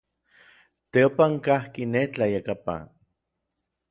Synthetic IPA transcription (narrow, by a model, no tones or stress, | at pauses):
t̪eopaŋkahkinet͡ɬajakapa̰